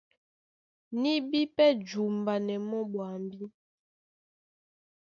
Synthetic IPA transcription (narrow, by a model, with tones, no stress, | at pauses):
ni˦bi˦pɛ˦d͡ʒu˨mba˨nɛ˨mɔ˦ɓwa˨mbi˦